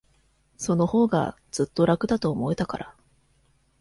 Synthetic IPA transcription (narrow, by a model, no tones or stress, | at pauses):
so̞no̞ho̞ːɡa̰ | d͡z̥ɨt̪ːo̞ɾakɯ̟d̪at̪o̞ːmo̞et̪akaɾa